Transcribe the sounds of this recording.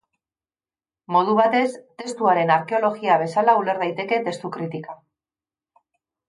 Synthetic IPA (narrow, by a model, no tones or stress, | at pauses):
mo̞ð̞uβ̞at̪e̞st̪e̞st̪uaɾe̞naɾke̞o̞lo̞ɣiaβ̞e̞salaule̞ɾð̞ajt̪e̞ke̞t̪e̞st̪ukɾit̪ika